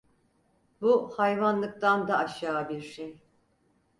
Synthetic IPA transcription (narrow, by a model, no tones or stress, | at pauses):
buhajvanlˠɯk̚t̪and̪aːʃaːbiɾʃej